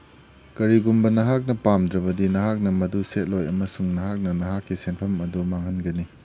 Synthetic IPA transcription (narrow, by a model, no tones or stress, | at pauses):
kɐɾiɡumbɐnɐɦak̚nɐpamdɾɐbɐdinɐɦak̚nɐmɐduset̚lojɐmɐsuŋnɐɦak̚nɐnɐɦakʰːisenpʰɐmɐdumaŋhɐnɡɐni